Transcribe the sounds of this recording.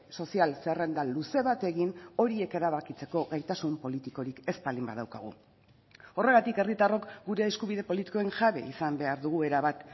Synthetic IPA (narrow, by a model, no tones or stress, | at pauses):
so̞sialsere̞nd̪aluse̞β̞at̪e̞ɣino̞ɾie̞ke̞ɾaβ̞akit͡se̞ko̞ɣajt̪asumpo̞lit̪iko̞ɾike̞spalimba̰ðawka̰ɣ̞ṵ | o̞re̞ɣ̞at̪ike̞rit̪aro̞kɡuɾe̞ːskuβiðe̞po̞lit̪i̥ko̞e̞ŋʝaβe̞̰isambe̞aɾðuɣ̞ue̞ɾaβat̪